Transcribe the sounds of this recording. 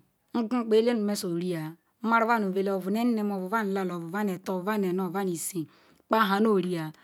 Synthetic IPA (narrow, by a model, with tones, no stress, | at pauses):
ŋ̩˦ɡu˦˨k͡pe˦le˦nu˨me˦so˨ɾi˦a˨˦ | ma˦ɾva˦n˨o˨ve˨lo˨vu˨ne˦n˦e˦˨mo˨vu˨va˦n˨la˦lo˨vu˨va˦ne˨to˨va˦ne˨no˨va˦ni˨si˨˦ | k͡pa˦ɦa˨no˦˨ɾi˦a˨